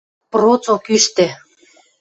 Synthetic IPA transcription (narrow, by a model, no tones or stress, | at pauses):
prot͡sokyʃt̪ĕ